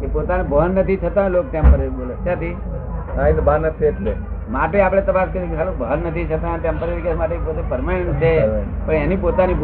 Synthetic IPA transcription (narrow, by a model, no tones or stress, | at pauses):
kepot̪anabʱəɦənːət̪ʰit̪ʰət̪ãlok̚t̪jãmpəɾeolətjãt̪ʰi | kãĩnbanəpʰet̪le | maʈeapəɽ̃et̪əpaskəɾikkʰalobʱəɦənːət̪ʰit͡ʃʰət̪ãnt̪jãmpəɾiʋ̪ikamaʈepot̪epəɾmant͡ʃʰepəɳenipot̪anib